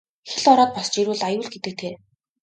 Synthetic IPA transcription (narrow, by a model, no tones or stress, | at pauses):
xeɮɔɾɔːt̪̚pɔst͡ɕiɾuːɮajʊːɮɡet̪ɘ̆k̚t̪ʰeː